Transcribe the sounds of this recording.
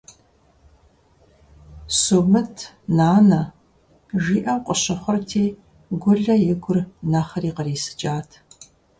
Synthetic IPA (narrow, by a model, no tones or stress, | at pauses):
suːmɨtʰ | naːnɐ | ʒiːʔɐwqʷʼəɕɐχʷɔrtʰiː | ɡʷʊɮɐjɪɡʷʊrnaχɐriːqəriːsɨ̥t͡ʃʼaːtʰ